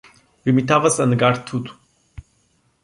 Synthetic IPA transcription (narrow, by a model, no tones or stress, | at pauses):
bimit̪ʰavəsənɡaɾt̪ʰut̪ʰ